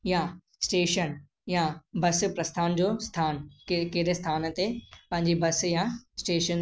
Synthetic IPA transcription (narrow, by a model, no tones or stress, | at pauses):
jã | sʈeːʃən | jãbɐs̆pɾɐst̪ʰaːnd͡ʑost̪ʰaːnkkeɦɪɾest̪ʰaːnt̪epɐ̃ɦɪ̃ɲd͡ʑibɐsjãsʈeːʃən